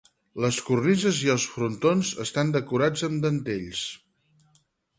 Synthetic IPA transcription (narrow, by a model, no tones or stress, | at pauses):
ləskurnizəziəlˠsfɾunt̪onzəst̪and̪əkuɾad͡zəmd̪ənt̪eʎs